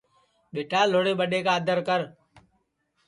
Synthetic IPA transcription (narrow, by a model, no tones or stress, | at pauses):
ɓeːʈʰaːloːɽeːɓəɗeːkaːd̪ʱəɾkəɾ